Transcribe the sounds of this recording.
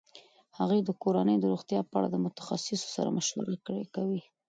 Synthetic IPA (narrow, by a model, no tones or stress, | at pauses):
haɣujd̪əkoɾanəjd̪əɾoɣt̪jɑpəa̰ɽa̰d̪əmʊt̪ḁxasɪso̥saɾa̰məʃla̰ɾikəɽekawi